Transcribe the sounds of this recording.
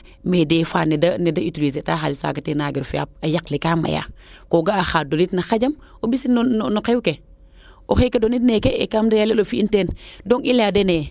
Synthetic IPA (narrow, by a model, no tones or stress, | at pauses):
medeːfaːnedɐnedɐituɾisetaːxalisa̰ɡɐtenaːɡiɾfia̰p̚ɐjaklikaːmɐ̰ja̰koɡaːxaːdonitnɐxaɟɐm | obisinonnokewke | oxekedonitnekekamdɐjalelofiinteːndoŋiladene